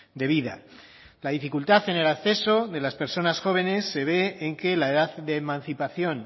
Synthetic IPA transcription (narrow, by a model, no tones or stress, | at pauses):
d̪e̞β̞iða̰ | laðifikult̪aθene̞lakθe̞so̞ðe̞laspe̞ɾso̞nasxo̞β̞e̞ne̞sːe̞βe̞ːŋke̞laeðaððeːmãn̟θipaθjo̞n